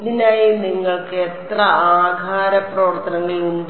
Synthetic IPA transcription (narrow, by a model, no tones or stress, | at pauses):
ðinaːjiniŋːɐɭkɨet̪rɐaːɡʱaːɾɐprɐʋɐrt̪ːɐnɐŋːɐɭuɳɖ